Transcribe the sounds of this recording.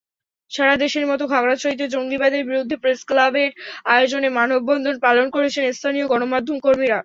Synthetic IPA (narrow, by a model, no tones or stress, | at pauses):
ʃaɾad̪eʃeɾmɔt̪oɡʱaɡɽat͡ɕoɦit̪ːed͡ʑoŋɡibad̪eɾbiɾod̪ʱːepɾesklabeɾaeod͡ʑonemanobːɔnd̪ʱonpalonkoɾet͡ɕʰenest̪ʰanioɡɔnomad̪ʱomkoɾmiɾa